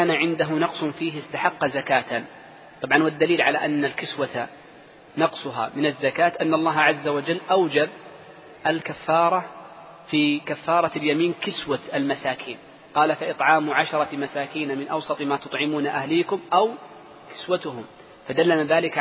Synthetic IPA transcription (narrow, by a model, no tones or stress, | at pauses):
aːnaʕɪnd̪aɦʊnɑqsˤʊnfiːɦɪst̪aħɑqːɑzakaːt̪a | t̪ˤɑbʕɑnwad̪ːaliːlʕala̰ʔanːalkɪswat̪a | nɑqsˤʊɦa̰ːmɪnazːakaːt̪ʔanːɑlˤːɑːɦʕazːawad͡ʒalːʔawd͡ʒab̚ | ʔalkafːɑːɾˤɑ | fiːkafːɑːɾˤɑljamiːnkɪswaalmasaːkʰiːn | qɑːlafaʔɨt̪ˤʕɑːmʕaʃɑɾˤɑmasaːkiːnamɪnʔɑwsˤɑt̪ˤmaːt̪ʊ̥t̪ˤʕɪmuːnaʔahliːkʊmʔaw | kɪ̥swat̪ʊɦʊm | fad̪alːanaðaːlɪk